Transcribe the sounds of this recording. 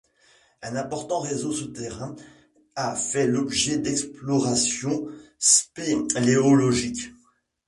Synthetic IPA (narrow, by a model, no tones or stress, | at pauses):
ɛ̃nɛ̃pɔʁt̪ɑ̃ʁezosət̪eʁɛ̃ | afɛlɔbʒɛd̪ɛksplɔʁasjɔ̃speleɔlɔʒik